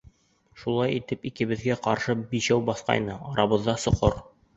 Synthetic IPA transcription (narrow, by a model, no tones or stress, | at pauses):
ʃulˠɑjit̪ɘpikɘ̆βɘ̆ðɡæqɑɾʃɤbiɕæwbɑθqɑ̰jnɤɑɾɑβɤ̆ðːɑsŏqoɾ